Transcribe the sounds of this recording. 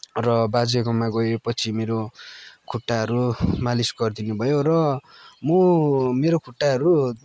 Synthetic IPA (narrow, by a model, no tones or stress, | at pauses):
rʌbad͡zeɡʌmaɡʌepʌt͡sʰimeɾokʰuʈːaɦʌɾumalisɡʌrd̪inubʱʌjoɾʌmʌmeɾokʰuʈːaɦʌɾu